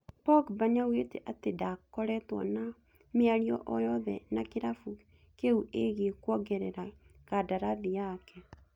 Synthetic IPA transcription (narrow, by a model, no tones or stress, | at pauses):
pɔɡbaɲawetḛʔatedakɔɾɛtwɔ̰na | meaɾiɔ̰ʔɔjɔðɛ̰nakeɾafu | keuʔeɣekwɔɡɛɾɛɾakadaɾaðiakɛ